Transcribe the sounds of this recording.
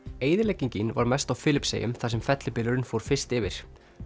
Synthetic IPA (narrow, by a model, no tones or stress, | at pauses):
eːjðɪɾleːjciɲcɪnva̰ɾmɛjst̪awfɪːlɪpsḛjʏmθasɛmfɛt̪lɪpɪlʏɾʏnfoːwɾ̥fɪr̥st̪ɪvɪɾ̥